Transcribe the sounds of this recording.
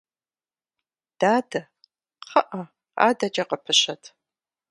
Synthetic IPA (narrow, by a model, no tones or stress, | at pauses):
d̥aːdɐ | qʰɐʔɐ | a̰ːdɐd͡ʒɐqəpʰɨɕɐtʰ